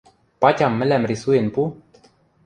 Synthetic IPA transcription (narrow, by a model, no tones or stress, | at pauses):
pat̪ʲamːɘlɛmɾisuenpu